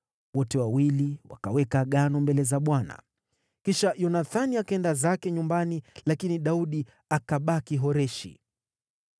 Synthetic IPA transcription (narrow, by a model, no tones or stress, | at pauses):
wɔtɛwawiliwa̰kawɛkaɠanɔmbɛlɛzaɓwana̰ | kiʃajɔnaθaniakaɛndazakɛɲumbanilakiniɗauɗi | akaɓakiɦɔɾɛʃḭ